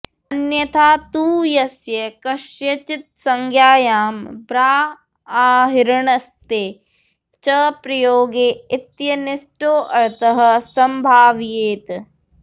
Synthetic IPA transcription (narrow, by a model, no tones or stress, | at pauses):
ɐnjɐt̪ʰaːt̪uːjɐsjɐkɐʃjɐt͡ʃit̪̚sɐŋɡʱjaːjaːmbɾaː | aːɦiɾɐɳɐst̪eː | t͡ʃɐpɾɐjoːɡeːit̪jɐnisʈoːʔɐɾt̪ɐɦɐ̆sɐmbʱaːʋjeːt̪